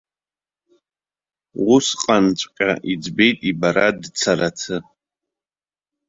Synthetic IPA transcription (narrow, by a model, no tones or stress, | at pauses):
ʁʷʊsqʼant͡ʃʷʼkʲʼaʔid͡zbejtʼibaɾadt͡sʰaɾatʰɨ